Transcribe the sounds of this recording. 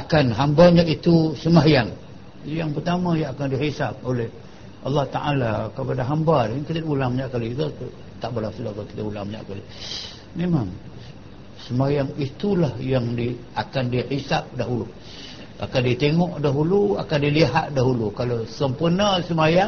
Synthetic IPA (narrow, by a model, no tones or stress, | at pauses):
akanɦambaɲait̪usəmajaŋ | jaŋpərt̪amajaŋakandihisap̚olɛh | ʔɑlːɑht̪a̰ʔalakəpadaɦambalaŋkit̪ədulaŋməɲaʔkalit̪u | t̪aʔbəlasulakakit̪əʔulaŋməɲa̰ʔkali | memaŋ | səmajaŋit̪ulahjaŋdiakandiħisap̚daɦulu | ʔa̰kandit̪eŋɔʔdaɦulua̰kandiliɦat̪̚daɦulukalosəmpurnasəmaja